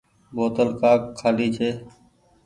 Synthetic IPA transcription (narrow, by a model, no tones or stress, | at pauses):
boːt̪əlkaːkʰːaːliːt͡ʃʰeː